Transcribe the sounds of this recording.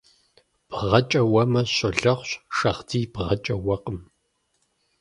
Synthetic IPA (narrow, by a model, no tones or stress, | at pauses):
b̥ʁɐt͡ʃʼɐwɐmɐɕɐɮɐʁʷɕʃɐʁdiːbʁɐt͡ʃʼɐwɐqəm